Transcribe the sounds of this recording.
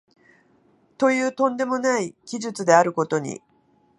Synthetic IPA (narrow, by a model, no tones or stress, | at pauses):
t̪o̞jɯ̟ːt̪õ̞nd̪e̞mo̞naikʲiʑɨt͡sɨd̪eaɾɯ̟ko̞t̪o̞ɲ̟ḭ